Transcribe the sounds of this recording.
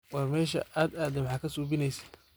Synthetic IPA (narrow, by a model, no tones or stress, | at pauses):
wɑrmɛːʃɐ̰ʔaːd̪aːd̪ɛwħɑːkʰɐsuːbɪnɛjsɛ̥